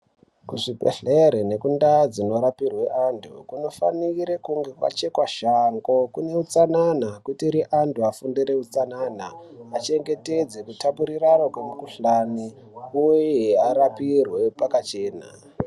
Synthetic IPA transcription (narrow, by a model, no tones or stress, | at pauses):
kuʐipḛɬeɾene̞kundad͡zino̞ɾapirwe̞ʔantʰṵkuno̞fa̰niɾe̞kuŋɡe̞kwa̰t͡ʃe̞kwaʃaŋɡo̞kune̞ut͡sananakutiɾiʔantʰuafundiɾe̞ut͡sananaat͡ʃe̞ŋɡe̞te̞d͡zekutapuɾiranokwemukuɬani | ujeeaɾapirwe̞pakat͡ʃe̞ːna̰